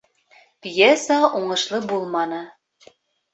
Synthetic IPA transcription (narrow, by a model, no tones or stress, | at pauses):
pʲjesɑʔuɴɤ̆ʃlˠɤbulˠmɑnɤ